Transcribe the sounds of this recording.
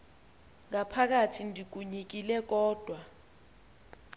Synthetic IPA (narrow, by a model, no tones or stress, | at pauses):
ŋapʰak̬atʰindʱik̬uɲik̬ilɛk̬ɔːd̥ʱwa